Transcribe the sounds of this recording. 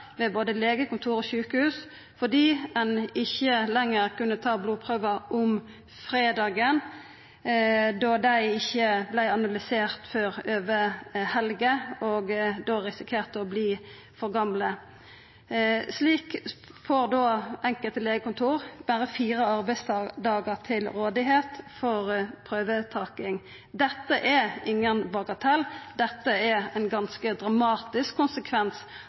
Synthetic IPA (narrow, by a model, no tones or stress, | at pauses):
ʋeːboːd̪əleːɡəkʊnt̪ʰuːɾoːçʉːkəhʉːs | fɔʁd̪iːɛnɪçːəlɛŋːəʁkʉnːət̪ʰɑːbluːpʰʁøːʋəʔʊm | fʁeːd̪ɑːɡən | d̪ɔd̪æɪɪçːəblæɪɑnɑlɪseːʁt̪føːʁøːʋəhɛlɡəoːɡd̪oːʁɪsɪkʰeːʁt̪əɔbliː | fɔʁɡɑmlə | sliːkfoːʁd̪oːɛŋkəlt̪leːɡəkʊnt̪ʰuːʁb̥æɾəfiːʁəɑʁbæɪsd̪ɑːɡəʁt̪ʰɪlɾoːd̪ɪɦeːt̪fɔʁpʰʁøːʋət̪ʰɑːkɪŋ | d̪ɛt̪ːəʔɛɪŋːənbɑːkət̪ʰɑld̪ɛt̪ːəɛʁɛnɡɑnskəd̪ʁɑmɑːt̪ɪskʰːʊnsəkʰʋɛns